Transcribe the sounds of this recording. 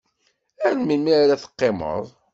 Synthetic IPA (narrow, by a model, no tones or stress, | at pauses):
ænmimiaɾaθə̥qːemə̰ðˤ